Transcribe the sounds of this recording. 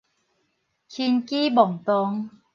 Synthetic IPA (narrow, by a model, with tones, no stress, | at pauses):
kʰi˧nki˦bɔ˨˩ŋt̪ɔ˧ŋ